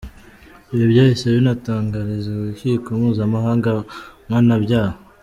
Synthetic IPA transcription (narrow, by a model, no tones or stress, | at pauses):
iβjoβjaːhiseβinataːŋɡaɾizeiçikumuːzamaɦaːŋɡamŋaːnabɟaːha